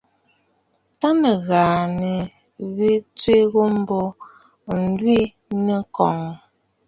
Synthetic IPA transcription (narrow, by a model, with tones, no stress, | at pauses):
ta˦nə˨ɣaː˨nə˨ | βi˦t͡swe˦ɣo˦m̩˦bo˦ | n̩˦dwi˦ | nə˨kɔ˨ŋ